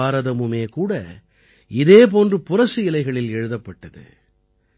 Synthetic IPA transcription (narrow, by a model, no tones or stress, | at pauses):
aːɾɐðɐmɯmeːkuːɽɐ | ɪðeːp̬oːndrɯpʊrɐʂɯɪlɐɪɣɐɭɪlɛɻɯðɐpːɐʈːɐðɯ̰